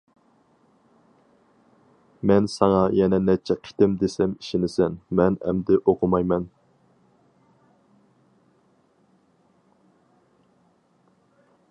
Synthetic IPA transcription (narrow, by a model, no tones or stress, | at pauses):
mɛnsɑŋɑjɛnɛnɛt͡ʃʰːɛqʰi̥t̪ɪmd̪esɛmiʃɪnɪsɛnmɛnɛ̰md̪ɪʔoqʰʊmɑjmɛn